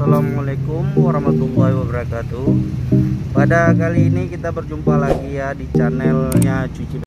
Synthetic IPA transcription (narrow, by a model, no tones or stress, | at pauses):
salamalekʊmwaɾahmat̪ulahiwabəɾakat̪u | padakaliːnikit̪abərd͡ʒumpalaɡijadit͡ʃanɛlɲat͡ʃut͡ʃi